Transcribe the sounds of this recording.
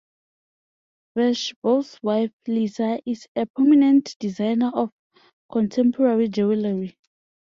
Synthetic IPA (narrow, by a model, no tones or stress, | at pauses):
vɛʃboswajflizaʔizɛpʰɔminɛ̃ntd̥izajnaʔɔf | kʰɔ̃ntʰɛ̃mpʰɔɹaɹid͡ʒɛwlaɹi